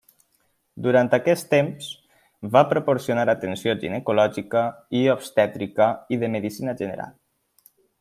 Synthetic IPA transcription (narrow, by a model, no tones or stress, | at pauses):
d̪uɾant̪akɛst̪emz | βapɾopoɾsiunaɾat̪ənsjoʒḭnəkulɔʒikəiopst̪ɛt̪ɾikəiðəmeðisinəʒənə̰ɾa̰lˠ